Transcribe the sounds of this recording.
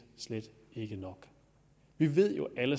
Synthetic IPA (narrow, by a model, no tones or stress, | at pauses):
sled̥ | e̝ɡ̥ənɒ̽ɡ̥ | ʋiʋe̝ð̰ˠjo̝ʔælə